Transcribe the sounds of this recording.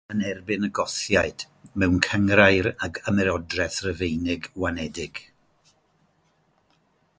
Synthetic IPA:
ənɛrbɪnəɡɔθjaɨd̥ | mɛwnkʰəŋrajɾaɡamɛɾɔdrɛθrəvejnɪɡwanɛdɪɡ̥

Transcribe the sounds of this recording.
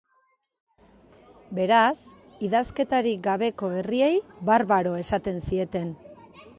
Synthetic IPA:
be̞ɾas | iðaske̞t̪aɾiɡaβ̞e̞ko̞e̞rie̞jβarβaɾo̞e̞sat̪e̞nsie̞t̪e̞n

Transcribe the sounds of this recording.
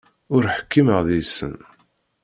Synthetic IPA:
ʊɾħə̥kːiməʁðisə̰n

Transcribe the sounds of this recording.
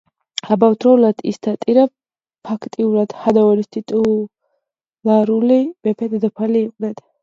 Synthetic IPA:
abawd̪ɾɔlad̪ʰḭsd̪ʰat̪ʼiɾa | pʰakʰt̪ʼiuɾad̪̥had̪aɔɾist̪ʰit̪ʼu | laɾulivɛpʰɛd̪d̪apʰaliːqʼnɛt̪

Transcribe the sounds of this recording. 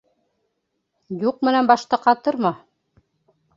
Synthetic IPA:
juq̚mɘ̆nænbɑʃt̪ɤqɑt̪ɤɾmɑ

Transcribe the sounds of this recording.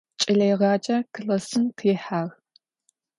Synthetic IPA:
t͡ʃʼɪɮɐjʁɑːt͡ʃʼɐkʰɨlɐsɨnqʰiːħaːɣ

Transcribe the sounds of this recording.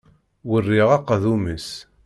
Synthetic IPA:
wərːiʁɑqːðuməs

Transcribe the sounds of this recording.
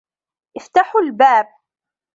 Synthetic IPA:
ʔɪft̪aħʊlbaːb̚

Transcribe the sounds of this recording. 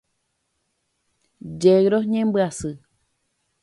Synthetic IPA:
d͡ʒeɡɾoɲẽmbɨasɨ

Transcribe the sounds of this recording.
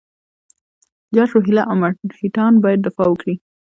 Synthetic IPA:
d͡ʒɑʃoɦɪlaʔamahiʈɑnbɑjad̪̚ːɪfɑwəkɽi

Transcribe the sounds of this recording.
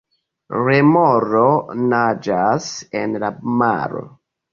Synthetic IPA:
ɹemɔɾonad͡ʒasenlama̰ɾo̰

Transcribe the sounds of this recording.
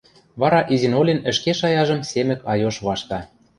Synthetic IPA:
βɑɾɑʔizinolʲenə̆ʃkeʃɑjɑʒɤ̆msemɘ̆kʰɑjoʃβɑʃt̪ɑ

